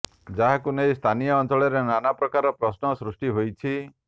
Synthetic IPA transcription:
d͡ʒaɦakunejst̪ʰanijɔːnt͡ʃɔɭeɾenanapɾɔkaɾɔpɾɔsnɔsɾusʈiɦojt͡ʃʰi

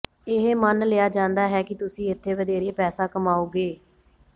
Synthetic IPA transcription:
ɪɦmənleːjaːd͡ʒãːnd̪aːɦɛːkɪt̪ʊsĩːɪt̪ʰːeːʋəd̪eːɾeːpɛːsaːkəmaːoːɡeː

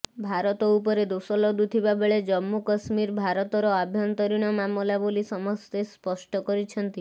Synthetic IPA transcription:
bʱaɾɔt̪ɔupɔɾed̪osɔlɔd̪ut̪ʰibabeɭed͡ʒɔmːukɔsmiɾbʱaɾɔt̪ɔɾɔabʱjɔnt̪ɔɾiɽ̃ɔmamɔlabolisɔmɔst̪espɔʃʈɔkɔɾit͡ʃʰɔnt̪i

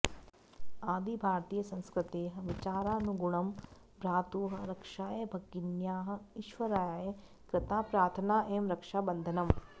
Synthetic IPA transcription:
aːd̪ʱibʱaːɾt̪iːjɐsɐ̃nskɾɪt̪eːɦɐ̆ʋit͡ʃaːɾaːnuɡuɳɐm | pɾaːt̪uːɦɐ̆ɾɐkʂaːjebʱɐɡinjaːɦɐ̆iʃʋɐɾaːjaːje | kɾɪt̪aːpɾaːɾt̪ʰɐnaːʔeːmɾɐkʂaːbɐnd̪ʱɐnɐm

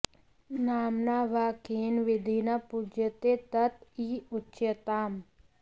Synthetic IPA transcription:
naːmnaːʋaːkeːnʋɪd̪ʱinapud͡ʒət̪et̪ət̪iːʊtːʃjət̪aːm

